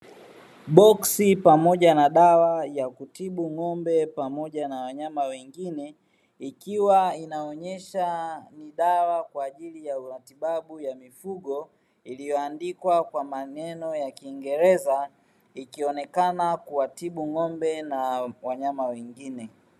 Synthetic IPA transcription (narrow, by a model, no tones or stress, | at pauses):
ɓɔksipamɔʄanaɗawajakutiɓuŋɔmbɛpamɔʄanawaɲamawɛŋɡinɛ | ikiwainaɔɲɛʃaniɗawakwaːʄilijatiɓaɓujamifuɠɔ | ilijɔandikwakwamanɛnɔjakiːŋɡɛɾɛza | ikiɔnɛkanakuwatiɓuŋɔmbɛnawaɲamawɛŋɡinɛ